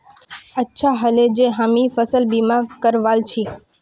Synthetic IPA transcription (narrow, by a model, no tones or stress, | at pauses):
ətːʃʰaɦəled͡ʑẽɦamifəsəlbimakəɾʋaːlt͡ʃʰiː